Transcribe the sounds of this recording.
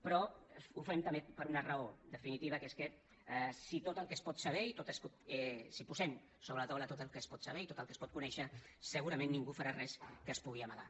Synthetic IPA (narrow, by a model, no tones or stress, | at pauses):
pɾɔufɛmt̪əmbepəɾunərəod̪əfinit̪iβ̞əkeskə | sit̪ot̪əlˠkəspɔt̪səβɛit̪ot̪əskot̪sipuzɛm | soβɾələt̪awlət̪ot̪əlˠkəspɔt̪səβ̞ɛit̪ot̪əlˠkəspɔt̪kunɛʃəsəɣuɾɐmẽnːiŋɡufaɾarɛskəːspuɣ̞iəmaða